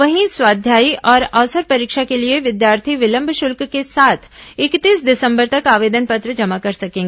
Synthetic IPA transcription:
ʋɐɦĩswaːd̪ʱjaːiʔɔːɾaʋsəɾpɐɾiːkʃakelieʋɪd̪jaːɾt̪ʰiʋɪlə̃mbʱʃʊlkkesaːt̪ʰɪkt̪iːsd̪ɪsə̃mbəɾt̪ɐkaːʋeːd̪ənpɐt̪ɾəd͡ʒɐmakɐɾsɐkẽːɡ

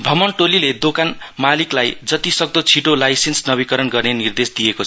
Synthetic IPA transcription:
bʱʌmʌnʈoliled̪okanmaliklajd͡zʌt̪isʌɡ̚d̪ʌt͡sʰiʈolajsensnʌbikʌɾʌnɡʌrnenird̪esd̪ijekot͡sʰ

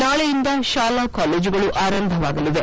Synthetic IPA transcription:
naːɭejind̪ɐʃaːlakaːleːd͡ʒuɡɐɭuʔaːɾɐnd̪ʱɐʋaːɡɐlid̪e

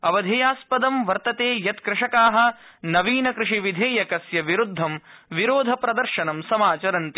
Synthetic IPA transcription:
ɐʋɐd̪ʱeːjaːspɐd̪ɐmʋɐɾt̪ɐt̪eːjɐt̪kɾɪʂɐkaːɦɐ̆nɐʋiːnɐkɾɪʂiʋid̪ʱeːjɐkɐsjɐʋiɾud̪ʱːɐmʋiɾoːd̪ʱɐpɾɐd̪ɐɾʃɐnɐmsɐmaːt͡ʃɐɾɐnt̪i

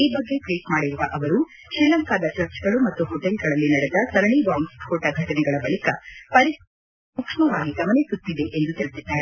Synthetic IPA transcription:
iːbɐɡːe̞kɭiːkmaːɽiɾuʋɐʔɐʋɐɾu | ʃɾilɐŋkaːd̪ɐt͡ʃɐɾt͡ʃɡɐɭumɐt̪ːuhɔʈelɡɐɭɐlːinɐɽed̪ɐsɐɾɐɳiʋaːŋshɔːʈɐɡʱɐʈɐnɛɡɐɭɐbɐlikɐpɐɾi | ukʂɐmɐʋaːɡiɡɐʋɐnesut̪ːid̪e̞ʔend̪ut̪eɭt̪id̪ːaːɾe

